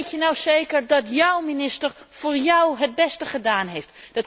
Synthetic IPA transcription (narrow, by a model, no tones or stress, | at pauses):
tjənawsejkəɹdɑtjʌwminɪstəɹfʊːɹjɔwɦəd̚bɛstəχədaːnɦejftd̥ɑt